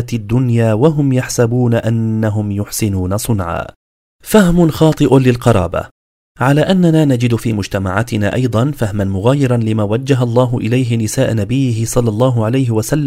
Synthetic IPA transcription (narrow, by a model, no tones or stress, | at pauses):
t̪ad̪ːʊnjaːwaɦʊmjaħsabuːnaʔanːaɦʊmjʊħsɪnuːnasˤʊnʕa̰ː | fahmʊnxɑːt̪ˤɨʔʊlɪlqɑɾˤɑ̰ːba̰ | ʕalaːʔanːanaːnad͡ʒɪd̪fiːmʊd͡ʒt̪ama̰ʕaːt̪ɪna̰ːʔɑjd̪ˤɑnfahmanmʊɣaːjɪɾˤɑnlɪmaːwad͡ʒːaɦalˤːɑːɦʊʔɪlajɦɪnɪsaːʔnabɪjːɪɦɪsˤɑlːɑlˤːɑːɦʊʕalajɦɪwasalː